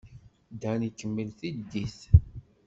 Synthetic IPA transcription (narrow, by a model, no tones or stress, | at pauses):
d̪ænikːəmːəlθid̪ːiθ